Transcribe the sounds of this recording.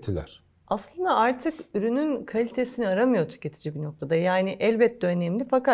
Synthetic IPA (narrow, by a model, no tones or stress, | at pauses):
t̪ʰilʲæ̰ɾ̥ | aslˠɯnd̪aaɾt̪ʰɯkyɾynynkʰalʲit̪ʰe̞siniaɾamɯjo̞t̪ʰy̥ce̞t̪ʰid͡ʒibino̞k̚t̪ʰad̪ajaːniʔɛlʲbɛt̪̚ːdɛønɛmlʲifaka